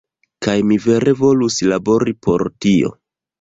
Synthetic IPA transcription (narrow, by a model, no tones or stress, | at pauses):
kajmive̞ɾe̞vo̞luslabo̞ɾipʰo̞ɾtio̞̰